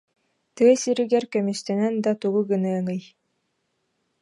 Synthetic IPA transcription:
t̪ɯɐsiɾiɡɛɾkœmist̪ɛnɛnd̪at̪uɡuɡɯnɯɐŋɯj

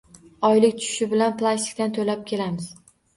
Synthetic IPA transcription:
ɒjlɪkʲt̪ʰʊʃɪ̥ʃɪbɪlanplˠast̪ʰɪ̥k̚ʲt̪ant̪ʰolap̚kʲʰe̞lamɪz̥

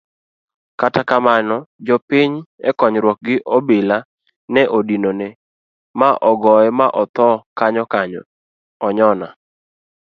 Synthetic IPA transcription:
katakamanɔd͡ʒɔpiɲɛ̰kɔɲɾwɔk̚ɡɪʔobɪla | nɛʔodinone | maʔɔɡɔɛmaʔɔt̪ɔkaɲɔkaɲɔ̰ | ɔɲɔna

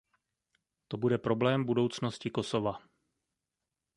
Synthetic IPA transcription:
t̪obudɛpɾo̞blɛːmbudo̞wt͡sno̞scɪko̞so̞va

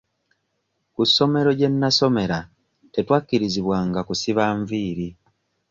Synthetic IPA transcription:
kusːo̞me̞ɾo̞ɟe̞nːaso̞me̞ɾa | te̞twakːiɾiziβwaːŋɡakusiβaːɱviːɾi

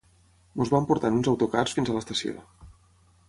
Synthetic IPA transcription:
muzβampuɾt̪anunzəwt̪ukarsfinzələst̪əsio̰

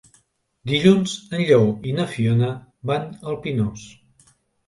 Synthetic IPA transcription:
d̪iʎunzənʎɔwinəfionəbanəlˠpinos

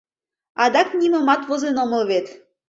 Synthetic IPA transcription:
ɑd̪ɑknʲimɤ̆mɑt̪βɤ̆zenomɤ̆lβet̪

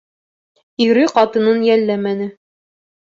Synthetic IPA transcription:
iɾɘqɑt̪ɤ̆nɤnjælːæmænɘ

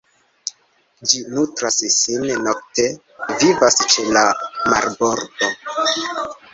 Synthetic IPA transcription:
d͡ʒinutɾassinno̞k̚te̞ | vivast͡ʃe̞lama̰ɾbo̞ɾdo̞

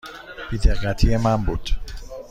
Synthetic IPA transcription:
b̥id̪eqːæt̪ʰijemænbuːd̪̥

